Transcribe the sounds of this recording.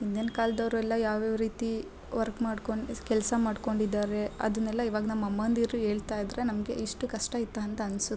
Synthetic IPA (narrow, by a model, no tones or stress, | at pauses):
ind̪enɐkaːld̪ɐʋɾuɛlːɐjaːʋeːʋɾiːt̪i | ʋɐɾkmaːɖkoɳkɛlsɐmaːɖko̞ɳɖid̪ːaːɾe̞ɐ̰d̪ɐnːɛlːɐiːʋaːɡɐnɐmːɐmːɐnd̪iːɾuɦe̞ːɭt̪aːjd̪ɾe̞nɐmɐɡe̞̰ʔiʂʈukɐʂʈɐit̪ːaɐnt̪ɐɐnsu